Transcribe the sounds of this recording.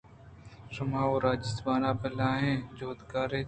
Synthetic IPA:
sʊmãːoːɾaːd͡ʒɪsbaːnaːpɐlãːɦẽːd͡ʒoːd̪kaːɾeː

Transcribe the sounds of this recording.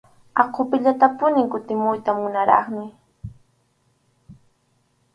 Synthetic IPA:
ɑqʰopɪʎat̪apʊnɪŋkʊt̪ɪmʊjt̪amʊnaɾɑ̰χmɪ

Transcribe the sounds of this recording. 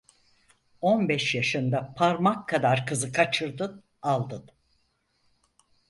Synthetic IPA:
onbɛʃjaʃɯnd̪apʰaɾmakʰːad̪aɾkɯzɯkʰat͡ʃʰɯɾd̪ɯn | alˠd̪ɯn

